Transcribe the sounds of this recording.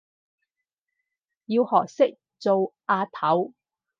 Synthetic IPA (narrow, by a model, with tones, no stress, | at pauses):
ji˧whɔː˨˩k̚sɪ˥k̚ | t͡so˨wʔaː˧t̪ʰɐ˨˥w